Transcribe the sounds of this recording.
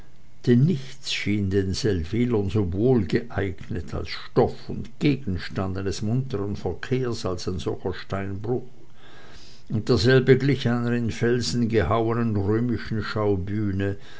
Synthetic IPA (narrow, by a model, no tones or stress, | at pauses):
d̥enːɪçt͡sʃiːndeːnzɛlv̥iːlɐnzovoːlɡəʔaɪɡnətʰa̰lsʃtɔfʊ̰ntɡ̥eːɡn̩ʃtandanɛsmʊntəʁənfɛɐkʰeːɐsalsaɪnzɔçɐʃtaɪnbʁʊx | ʊnt̚d̥eːɐzɛlbəɡlɪçaɪnəʁɪnfɛlzn̩ɡəhaʊənənʁøːmɪʃn̩ʃaʊbyːnə